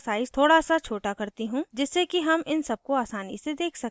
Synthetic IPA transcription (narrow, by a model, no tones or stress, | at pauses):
saːɪz̥t̪ʰoːɽasat͡ʃʰoːʈakɐɾt̪iɦũd͡ʒɪsːekiɦɐmɪnsɐb̚koaːsaːnḭsed̪eːkʰsɐkː